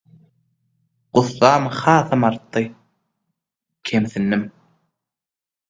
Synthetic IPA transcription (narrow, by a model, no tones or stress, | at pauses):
ɢ̥ʊθːɑːmhɑːθɯmɑɾt̪ːɯ | kʲʰemθinːɪm